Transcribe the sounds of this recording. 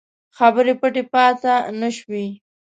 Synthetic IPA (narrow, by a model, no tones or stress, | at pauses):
xabəɾepəʈepɑt̪anəʃwi